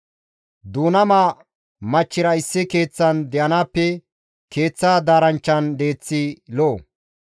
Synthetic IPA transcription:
d̪uːnɐmaː | mɐt͡ʃːɪɾɐɪsːɪke̞ːt͡sːɐnd̪ɛʔɐnaːpːɛ | ke̞ːt͡sːaːd̪aːɾɐnt͡ʃːɐnd̪e̞ːt͡sːɪloː

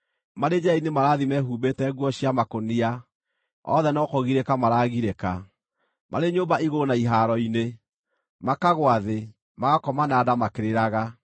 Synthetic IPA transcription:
maɾed͡ʒainemaɾaðimɛɦuːbetɛːɣwɔɕiamakonia | ɔ̰ðɛnɔkɔɣiɾekamaɾaɣiɾeka | mʔa̰ɾeɲoːbaiɣonaiɦaɾɔine | makaɣwaðe | maɣakɔmanaːdamakeɾeɾaɣa

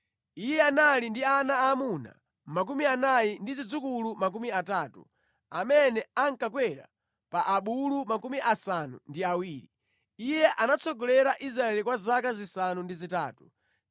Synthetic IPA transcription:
ijɛanalindianaːmuna̰ | mak̬umianajindizid͡zukulumak̬umiataːtṵ | amɛnɛaŋkakwɛɾa̰ | paʔaɓulumakumiʔasanṵndiawiːɾi | ijɛʔanat͡sɔɡɔlɛɾaʔis̬ɾaɛlikwazakazisanundizita̰ːtu

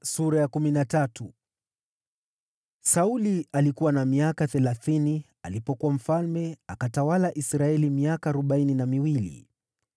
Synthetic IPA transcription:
suɾajakuminatatu | saulialikuwanamiakaθɛlaθini | a̰lipɔkuwam̩falmɛakatawalaʔisɾaɛlimiakaːɾɔɓaininamiwilḭ

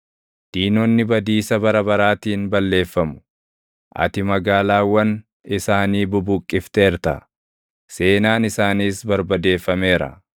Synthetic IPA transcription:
d̪̥iːnɔnːɪbɐd̪iːsɐbɐɾɐbɐɾaːt̪iːnbɐlːe̞ːfːɐmʊ̥ | ʔɐ̰t̪ɪmɐɡaːlaːwːɐn | ɪsaːniːbʊbʊkʼːɪft̪eːɾt̪ɐ̰ | se̞ːnaːnɪsaːniːsbɐɾbɐd̪e̞ːfːɐme̞ːɾɐ̰

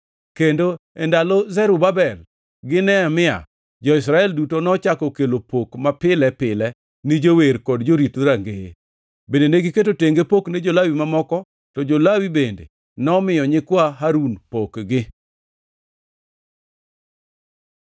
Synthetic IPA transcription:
kendoɛndalozɛɾʊbabɛl | ɡɪnɛamɪa̰ | d͡ʒɔɪsɾaɛldutonɔt͡ʃakɔkelopokmapɪlɛpɪlɛ | nɪd͡ʒoweɾkɔdd͡ʒoɾitɾaŋɡee | bendeneɡɪketoteŋɡepokned͡ʒolawimamɔkɔ | tɔd͡ʒolawibendḛ | nɔmɪjɔɲɪkwaɦaɾunpokɡɪ

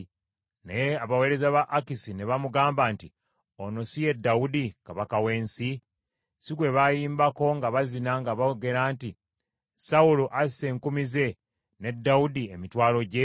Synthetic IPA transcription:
najeaβawe̞ːɾe̞zaβaʔːkisine̞βamuɡaːmbanti | ono̞sije̞dːaudikaβakawe̞ːnsi | sikwe̞βajiːmbako̞ŋɡaβazinaŋɡaβaoɡe̞ɾaːnti | sauloʔase̞ŋkumize̞ | ne̞dːawudiemitwaːlo̞ɟe̞

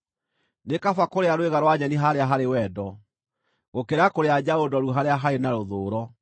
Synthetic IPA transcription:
nekafakoɾeaɾweɣaɾwaɲɛniɦaɾeaɦaɾewɛdɔ | ɣokeɾakoɾead͡ʑaodɔɾuɦaɾeaɦaɾenaɾoðoːɾɔ

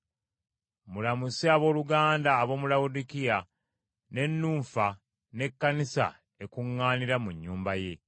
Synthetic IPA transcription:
mulamusiaβo̞ːluɡaːndaːβo̞ːmulaudikija | ne̞nːuːɱfa | ne̞kːanisa̰ | e̞kuŋːaːniɾamuɲːuːmbaje̞

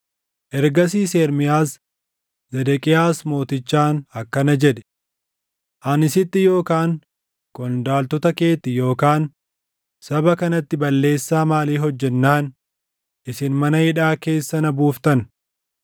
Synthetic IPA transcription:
ʔɛɾɡɐs̬iːseːɾmɪjaːs | zɛd̪ɛkʼɪjaːsmo̞ːt̪ɪt͡ʃːaːnɐkːɐnɐd͡ʒɛᶑɛ̥ | ʔɐnɪsɪt̪ːɪjo̞ːkaːŋ | kʼɔnd̪aːlt̪ɔt̪ɐke̞ːt̪ːɪjo̞ːkaːn | sɐbɐkɐnɐt̪ːɪbɐlːe̞ːsːaːmaːliːɦɔd͡ʒːɛnːaːn | ʔɪsɪnmɐnɐhɪᶑaːke̞ːsːɐnɐbuːft̪ɐn

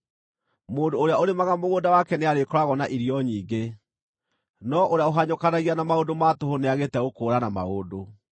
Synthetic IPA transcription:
moːndoːɾeaoɾemaɣamoɣoːndawakɛneaɾekɔɾaɣɔnaʔiɾiɔɲiːɡe | nɔʔoɾeaoɦaɲokanaɣianamaodomatoɦoneaɣetɛɣokoːɾanama̰odo

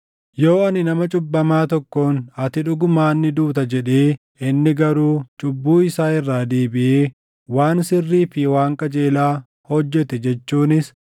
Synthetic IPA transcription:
jo̞ːɐnɪnɐmɐt͡ʃʼʊbːɐmaːt̪ɔkːo̞ːnɐt̪ɪᶑʊɡʊmaːnːɪd̪uːt̪ɐd͡ʒɛᶑeː | ɪnːɪɡɐɾuːt͡ʃʼʊbːuːɪsaːɪrːaːd̪eːbɪʔeː | waːnsɪrːiːfɪwaːŋkʼɐd͡ʒeːlaː | hɔd͡ʒːɛt̪ɛd͡ʒɛt͡ʃːuːnɪs

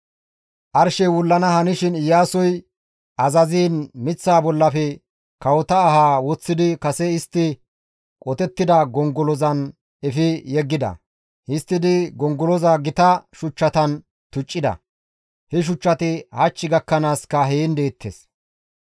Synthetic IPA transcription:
ʔɐɾʃɛwʊlːɐnɐhɐnɪʃɪnɪjːaːsɔj | ʔɐzɐziːnmɪt͡sːaːbɔlːɐfɛ | kɐwɔt̪ɐːhaːwɔt͡sːɪd̪ɪkɐsɛɪst̪ːɪ | kʼɔt̪ɛt̪ːɪd̪ɐɡɔŋɡɔlɔzɐn | ɛfɪjɛɡːɪd̪ɐ̰ | ɪst̪ːɪd̪ɪɡɔŋɡɔlɔzaːɡɪt̪ɐʃʊt͡ʃːɐt̪ɐn | t̪ʊt͡ʃʼːɪd̪ɐ̰ | hɛʃ̬ʊt͡ʃːɐt̪ɪhɐt͡ʃːɪɡɐkːɐnaːskɐɦeːnd̪eːt̪ʰːḛs

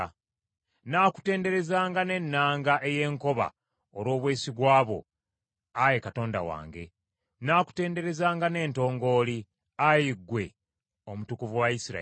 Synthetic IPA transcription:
naːku̥te̞ːnde̞ɾe̞zaːŋɡane̞nːaːŋɡaʔe̞je̞ːŋko̞βa̰ | olo̞ːβwe̞ːsiɡwaːβo̞̰ | aje̞kato̞ːnda̰wa̰ːŋɡe̞̰ | naːku̥te̞ːnde̞ɾe̞zaːŋɡane̞ːnto̞ːŋɡo̞ːli | ajiɡwe̞ | omutukuvuwaisiɾa̰

